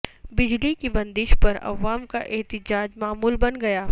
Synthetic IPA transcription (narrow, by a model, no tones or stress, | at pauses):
bɪd͡ʒlikibɐ̃nd̪ɪʃpɐɾɐ̰ʋaːmkaʔɛːt̪ɪd͡ʒaːd͡ʒmaːmuːlbɐnɡɐjaː